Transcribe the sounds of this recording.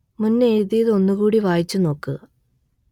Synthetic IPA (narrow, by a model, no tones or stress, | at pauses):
munːeeːðijɐðɨo̞nːuɣuːɽiʋaːjit͡ɕːuno̞ːkːɨ